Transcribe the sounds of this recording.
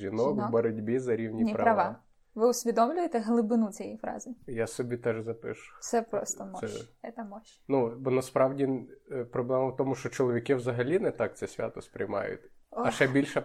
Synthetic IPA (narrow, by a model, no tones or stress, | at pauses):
ʒʲinɔkbɔɾɔdʲbʲizɐɾʲiwnʲiipɾɐɾɐʋ | ʋɪʊsʲʋʲid̪ɔmlʲʊjet̪ɛɦlˠɪbɪnut͡sʲijɛifɾɑ̰zɪjasɔbʲit̪ɛʒzɐpɪ̰ʃʊ̥sɛpɾɔ̰stt̪ɔmɔɛɛt̪ɐmɔʃ | nubɔnɐspɾɑwdʲipɾɔblˠɛmɐwt̪ɔmʊʃt͡ʃɔt͡ʃɔlˠɔʋʲikɪwzɐɦɐlʲinɛt̪ɑk̚tsɛsʲʋʲa̰t̪ɔspɾʲɪ̰jmɑ̰jʊ̰tʲɐʃɛbʲilʲʃɛ